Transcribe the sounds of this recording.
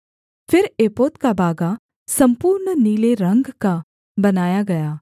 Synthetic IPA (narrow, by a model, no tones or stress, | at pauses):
pʰɪɾeːpoːt̪kabʱaːɡa | sɐ̃mpuːɾnniːleɾə̃ŋɡka | bɐnaːjaɡɐjaː